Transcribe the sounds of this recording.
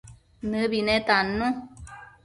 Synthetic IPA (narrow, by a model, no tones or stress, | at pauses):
nɨ̃βinẽt̪anũ